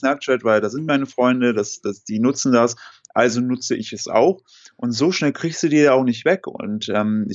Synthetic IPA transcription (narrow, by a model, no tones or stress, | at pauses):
snɛp̚t͡ʃɛtv̥aɪldaːzɪnt̚maɪnəfʁ̥ɔʏndədasd̥asd̥iːnʊt͡sn̩dasʔalzonʊt͡səʔɪçɛsa̰ʊx | ʔʊntz̥oːʃnɛlkʁ̥iːkstd̥uːdiːɐdaːaʊxnɪçtv̥ɛkʊ̰ntʔɛːmɪ